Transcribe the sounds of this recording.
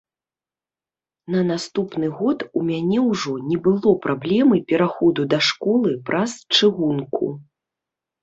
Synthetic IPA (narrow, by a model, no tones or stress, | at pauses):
nɐnast̪upnɨɣɔt̪umʲanʲɛwʐɔnʲɛbɨlˠɔpɾablʲɛmɨpʲɛɾaxɔd̪ud̪ɐʂkɔlˠɨpɾʔast͡ʂɨɣunkʰṵ